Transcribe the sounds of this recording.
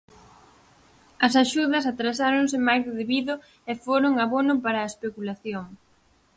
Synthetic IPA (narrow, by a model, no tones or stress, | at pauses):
ɐs̬aʃuðɐs̬at̪ɾas̬aɾoŋsɪmajðɪðeβiðʊ | ɛfoɾʊŋaβonʊpaɾaːespekulaθjoŋ